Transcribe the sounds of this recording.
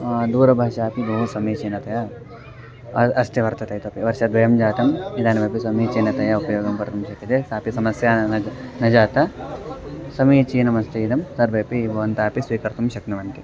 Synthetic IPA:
d̪uːɾɐbʱaːʃaːpid̪ɐɦũsɐmiːt͡ʃiːnɐt̪ɐja | ɐst̪jɐʋɐɾt̪ɐt̪ɐjt̪opiʋɐɾʃɐd̪ʋɐjɐmd͡ʒaːt̪ɐmid̪aːnbʱɐːpisɐmiːt͡ʃiːnɐt̪ɐjaupɐjoːɡɐmpɐɾt̪umʃɐk̪ɐt̪esaːpisɐmɐsjaːɐnɐd͡ʒaːt̪ɐ | sɐmiːt͡ʃiːnɐmɐst̪ʰɐid̪ɐmsɐɾbʱɐːpibʱɐʋɐnt̪aːpisʋiːkɐɾt̪umʃɐknɐʋɐnt̪i

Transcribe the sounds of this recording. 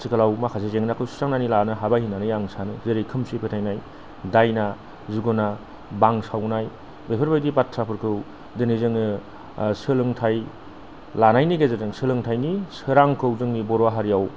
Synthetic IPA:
sʰikʰalawmakʰasezeŋnakʰɯwsu̥saŋnanilanɯɦabahinːanɯjaŋsanɯzeɾekʰɯmsipʰetʰajnaj | dajna | zuɡɔna | baŋsawnaj | bepʰɯɾbajdibatʰɾapʰɯɾkʰɯw | dɯnizɯŋɯ | sɯlɯŋtʰaj | lanajniɡezeɯŋsɯlɯŋtʰajnisɯɾaŋkʰɯwzɯŋnibɔɾwaɦaɾijaw

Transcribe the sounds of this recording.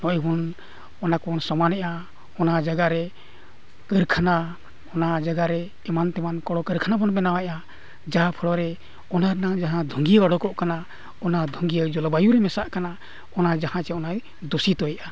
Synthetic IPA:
nɔʔɛbɔn | ɔnakɔnsɔmanɛʔa | ɔnad͡ʒaɡaɾɛ | kəɾkʰana | ɔnad͡ʒaɡaɾɛ | ɛmant̪ɛmankɔɽɔkəɾkʰanabɔnbɛnawaʔa | d͡ʒapʰəɽɔɾɛ | ɔnaɾɛnaŋd͡ʒaɦãd̪ʱuŋɡiaɡaɽɔkɔʔkana | ɔnad̪ʱuŋɡijad͡ʒɔlabajuɾɛmɛsaʔkana | ɔnad͡ʒahãt͡ʃɛɔnaj | d̪osit̪ɔjɛʔa

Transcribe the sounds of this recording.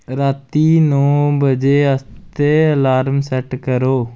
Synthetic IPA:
ɾaːt̪iːnɔ̃ːbəd͡ʒeːəst̪eːlaːɾmsɛʈkəɾoː

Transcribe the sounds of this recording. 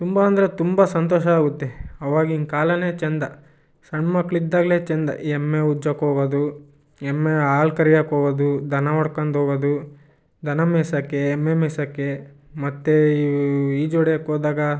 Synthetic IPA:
t̪umbɐɐnd̪ɐɾet̪umbɐsɐnt̪ɔːʃɐaːɡut̪ːeɐʋaːɡiiŋkaːlɐneːt͡ʃɛnd̪ɐ | sɐɳmɐkːɭid̪ːaːɡle̞ːt͡ʃɛnd̪ɐ̰ʔiemːeud͡ʒɐkɦoːɡɐd̪u | emːeaːlkɐɾijɐkɦoːɡɐd̪ud̪ʱɐnɐʋɐɽkɐnd̪ɦoːɡɐd̪u | d̪ʱɐnɐmɛːsɐkːeːmːemeːsɐkːe | mɐt̪ːeiiːd͡ʒɔɽjɐkoːd̪aːɡɐ

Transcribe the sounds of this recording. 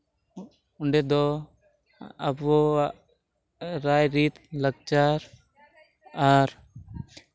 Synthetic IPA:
uɳɖɛd̪ɔ | a̰bɔ | ɾajɾit̪ləɡ̚t͡ʃaɾ | aɾ

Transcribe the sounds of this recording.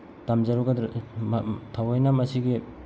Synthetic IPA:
tamzaɾuɡad | tʰawajnamasiɡe

